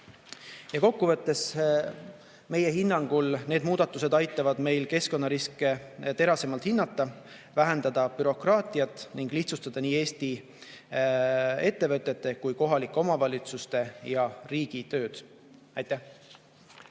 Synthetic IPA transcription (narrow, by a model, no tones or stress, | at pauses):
jɑko̞kːuvɤ̞t̪ːe̞s | me̞je̞ɦinːɑŋɡ̥ulne̞ːd̪muːd̪̥ɑt̪ːˑuse̞d̪ɑjt̪ːˑɑvɑd̪̥me̞jlke̞sko̞nːɑɾiskˑet̪e̞ɾɑse̞mɑlt̪hinːɑt̪ːɑ | væɦe̞nd̪̥ɑd̪̥ɑpyɾo̞krɑːt̪ˑiɑt̪ːˑniŋɡ̥liht̪sust̪ɑd̪̥ɑniːe̞ːst̪i | e̞t̪ːe̞vɤt̪ʲːˑe̞t̪ːe̞kujko̞ɦɑlikːˑeo̞mɑvɑlʲit̪sust̪e̞jɑriːɡ̥it̪ø̞ːd̪̥ | ɑjt̪ːˑæh